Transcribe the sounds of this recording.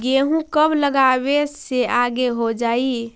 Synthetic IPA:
ɡeɦũkəbləɡabeseaɡeɦod͡ʒai

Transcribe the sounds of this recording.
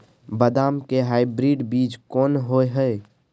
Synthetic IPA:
bəd̪aːmkeɦaːɪbɾiːɖbiːd͡ʒkɔːnɦoeɦəe

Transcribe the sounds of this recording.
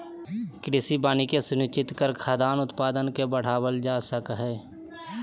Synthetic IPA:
kɾɪsibaːnikesʊnɪt͡ʃɪt̪kəɾkʰaːd̪aːnʊt̪paːd̪ənkebəɽ̤aːwəld͡ʒaːsəkɦɛː

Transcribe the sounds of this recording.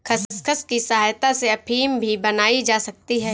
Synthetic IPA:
kʰɐsskʰəskisɐɦaːjt̪aseɐpʰiːmbʱibɐnaːid͡ʒaːsɐk̚t̪iɦɛː

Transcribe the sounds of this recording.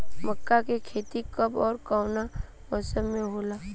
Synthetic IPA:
məkːakekʰeːt̪ikəbɔːɾkaʊna | ɔːsəmmẽɦoːlaː

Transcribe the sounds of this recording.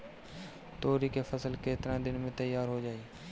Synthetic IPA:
t̪oːɾikefʰəsəlkeːt̪ɾãːd̪ɪnmẽt̪əjaːɾɦod͡ʒaːeː

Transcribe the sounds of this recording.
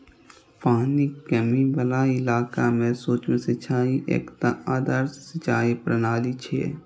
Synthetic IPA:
paːnikəmibəlaːɪlaːkamẽsoːt͡ʃmẽsɪt͡ʃʰaːiʔḛːkt̪aaːd̪aːɾsɪt͡ʃaːipɾənaːlit͡ʃʰḛː

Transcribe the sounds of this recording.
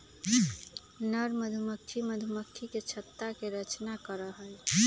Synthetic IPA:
nəɾməd̪ʱuməkʰːiməd̪ʱuməkʰːiket͡ʃʰət̪ːakeɾət͡ʃnakəɾəɦəl

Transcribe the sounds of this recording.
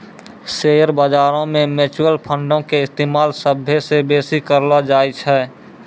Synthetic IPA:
seːjəɾbaːd͡ʒaːɾõmẽmeːt͡ʃːəlpʰə̃ɳɖõkeɪst̪eːmaːlsəbʱːesebeːsikəɾlad͡ʒaːjt͡ʃʰɛː

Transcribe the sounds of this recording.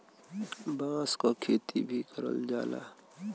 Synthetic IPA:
bãːskokʰeːt̪ʰibʱikʰəɾə̰ld͡ʒaːla̰ː

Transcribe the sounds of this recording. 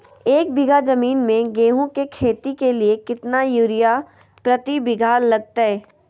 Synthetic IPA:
eːk̚bɪɡʱazɐmiːnmẽɡeːɦõkekʰeːt̪ikeliekɪt̪najuɾɪja | pɾɐt̪ibɪɡʱaːlɐɡ̚t̪aɦɛː

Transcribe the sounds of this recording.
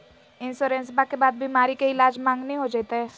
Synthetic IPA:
ɪnsoɾẽːns̬bakebaːd̪̚bimaːɾikeɪlaːd͡ʒmãːŋɡnəĩɦod͡ʒeːt̪eɦɛː

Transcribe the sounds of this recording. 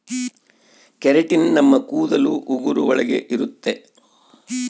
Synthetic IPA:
kɛɾeʈinnɐmːɐkuːd̪ɐluʔuɡuɾuɔɭɐɡe̞̰ʔiɾut̪ːe̞

